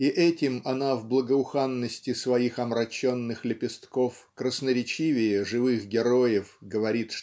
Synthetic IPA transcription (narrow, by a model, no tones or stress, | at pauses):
iʔɛtʲɪmɐnavblˠəɡəʊxanːəsʲtʲɪsvɐixɐmɾɐt͡ɕːonːɨxlʲɪpʲɪst̪kofkɾəsnəɾʲɪt͡ɕivʲɪjɪʐɨvɨxɡʲɪɾo̞jɪfɡəvɐɾʲit̪ʂ